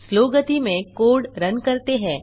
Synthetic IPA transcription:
sloːɡət̪imẽkoːɖɾɐnkɐɾt̪eɦɛ̃ː

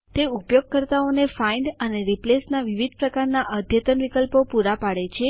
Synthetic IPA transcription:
t̪eupjoɡ̚kəɾt̪aonefaiɳɖəneɾiplesnaʋiʋid̪̚ʱpɾəkaɾnaʔəd̪ʱjət̪ənʋikəlpopuɾapaɽet͡ʃʰe

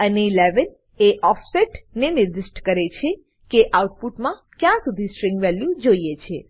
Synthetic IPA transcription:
əneileʋən | eʔɔfseʈnenɪɾd͡ʒɪsʈkəɾet͡ʃʰe | keʔawʈ̚puʈmãkjãsud̪ʱisʈɾɪ̃ŋɡʋɛljũd͡ʒoiet͡ʃʰe

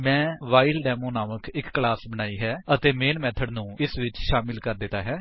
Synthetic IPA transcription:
mɛ̃ːʋaːɪlɖɛːmõːnaːməkɪkːlaːsbəñaːiːɦɛːət̪eːmeːnmɛːt̪ʰəɖnũːɪsʋɪt͡ʃʃaːmɪlkəɾd̪ɪt̪ːaːɦɛː

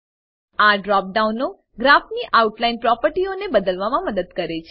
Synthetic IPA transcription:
aɖɾɔp̚ɖauno | ɡɾafniʔauʈlainpɾɔpəɾʈionebəd̪əlʋaʋãməd̪əd̪kəɾet͡ʃʰe

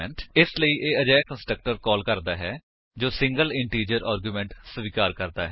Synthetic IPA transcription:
ɛ̃ɳʈɪsləiːʔeːəd͡ʒaːjkə̃nsʈɾək̚ʈəɾkɔːlkəɾd̪aːɦɛː | d͡ʒoːsɪ̃ŋɡəlɪɳʈiːd͡ʒəɾaːɾɡjuːmɛ̃ːɳʈsəʋiːkaːɾkəɾd̪a̰ːɦɛ

